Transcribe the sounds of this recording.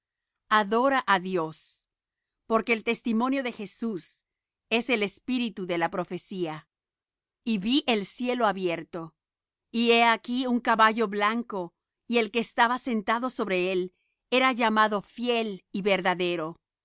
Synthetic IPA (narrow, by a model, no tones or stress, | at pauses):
aðo̞ɾaʔaðjos | po̞ɾke̞ːlt̪e̞st̪imo̞njo̞ðe̞xe̞sus | e̞se̞le̞spiɾit̪uðe̞lapɾo̞fe̞sia | iβiʔe̞lsje̞loaβje̞ɾt̪o̞ | ie̞akiuŋkaβaʝo̞βlaŋko̞ | ie̞lke̞ːst̪aβase̞nt̪aðo̞so̞βɾee̞l | e̞ɾaʝamaðo̞fje̞liβe̞ɾðaðe̞ɾo